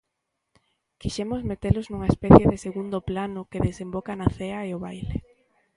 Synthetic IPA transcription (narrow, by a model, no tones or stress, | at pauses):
kiʃɛmʊzmet̪elʊznũŋɐespɛθjeðeseɣund̪ʊplanʊkeðesembɔkanaθeɐeʊβajle